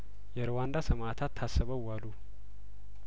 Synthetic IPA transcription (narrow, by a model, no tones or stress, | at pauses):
jɛɾwand̪asəmat̪ʰat̪ʰːasːəβəwːalu